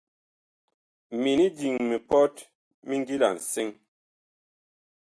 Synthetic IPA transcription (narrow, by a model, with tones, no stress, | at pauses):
mi˨ni˦di˨ŋmi˨pɔ˦t | mi˦ŋ˦ɡi˦la̰˨n̩˨se˦ŋ